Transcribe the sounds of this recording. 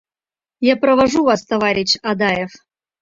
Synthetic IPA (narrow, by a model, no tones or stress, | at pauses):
japɾəvaʐuvast̪ɐvaɾʲɪɕad̪ajef